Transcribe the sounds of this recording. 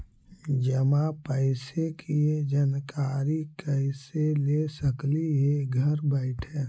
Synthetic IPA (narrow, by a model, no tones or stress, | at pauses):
d͡ʒəmãpəɪsekʰied͡ʒankaːɾikəɪselesəkliɦeɡʱəɾbɛɪʈʰɛː